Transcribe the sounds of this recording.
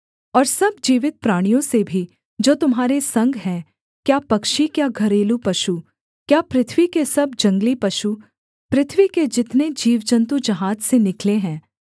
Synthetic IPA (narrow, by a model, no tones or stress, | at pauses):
ɔːɾsɐb̚d͡ʒiːʋɪt̪̚pɾaːɽ̃ijõsebʱi | d͡ʒoːt̪ʊmɦaːɾesɐ̃ŋɡɦɛ̃ː | kjaːpɐkʃikjaɡʱɐɾeːlupɐʃu | kjaːpɾɪt̪ʰʋikesɐbd͡ʒɐ̃ŋɡlipɐʃu | pɾɪt̪ʰʋiked͡ʒɪt̪ned͡ʒiːʋd͡ʒə̃nt̪ud͡ʒɐɦaːd͡ʒsenɪkleɦɛ̃ː